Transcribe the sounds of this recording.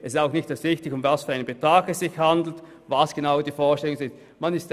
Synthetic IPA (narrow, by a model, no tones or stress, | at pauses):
ʔɛsɪstaʊxnɪçtɛsvɪçtɪçʊmvasfyːɐaɪnəmbetʁ̥aːɡɛsz̥ɪçhandl̩t | vasɡ̥enaʊdiːfoːɐʃtɛlʊŋzɪnt | manɪst